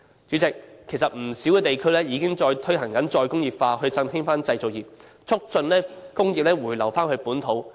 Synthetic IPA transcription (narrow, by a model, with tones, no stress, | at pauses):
t͡ʃy˨˥t͡sɪ˨k̚ʰːe˨˩jsɐ˨t̚m̩˨˩si˨˥wkɛː˧t̪e˨jkʰɵ˥lɛː˥jiː˨˧kɪ˥ŋt͡ʃɔː˧jt̪ʰɵ˥ɥɦɐ˨˩ŋkɐ˨˥nt͡ʃɔː˧jkʊ˥ŋjiː˨p̚faː˧ɦɵ˧ɥt͡sɐ˧ŋɦɪ˥ŋfaː˥nt͡sɐ˧jt͡so˨kjiː˨p̚ | t͡sʰʊ˥k̚t͡sɵ˧nlɛː˥kʊ˥ŋjiː˨p̚lɛː˥wuː˨˩jlɐ˨˩wfaː˥nhɵ˧ɥpuː˨˥nt̪ʰo˨˥w